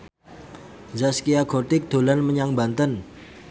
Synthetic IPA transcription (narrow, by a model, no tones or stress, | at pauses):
zaskiaɡot̪ɪk̚d̪̥o̤lanməɲaŋbant̪ən